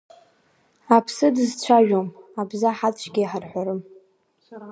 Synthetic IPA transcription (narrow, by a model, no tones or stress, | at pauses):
apʰsɨdɨzt͡ɕʷʰaʒᶣomabzaħat͡ʃʷʰɡʲijħarħʷaɾɨm